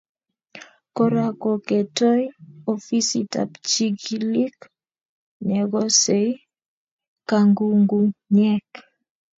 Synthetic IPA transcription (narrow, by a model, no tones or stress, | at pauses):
kɔɾakɔkɛtɔjɔfisita̰pt͡ʃiɡilik | ɲɛɡɔsej | kaŋɡuŋɡuɲɛk